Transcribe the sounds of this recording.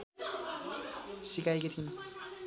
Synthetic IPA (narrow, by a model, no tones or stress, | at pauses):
sikʰajket̪ʰin